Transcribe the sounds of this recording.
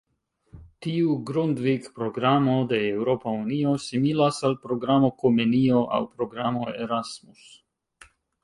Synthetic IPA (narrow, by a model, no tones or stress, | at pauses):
t̪iuɡɾund̪vikpɾoɡɾamod̪eːwɾopauniosimilasalpɾoɡɾamokomenioʔa̰wpɾoɡɾamoeɾasmus